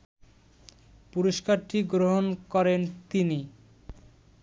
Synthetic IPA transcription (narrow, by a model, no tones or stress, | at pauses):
puɾoʃkaɾʈiɡɾoɦonkɔɾent̪ini